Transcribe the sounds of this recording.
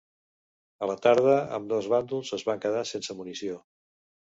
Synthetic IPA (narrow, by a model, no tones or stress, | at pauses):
ələt̪aɾðəə̰md̪ɔzβand̪ulˠzəzβaŋkəð̞asensəmunisio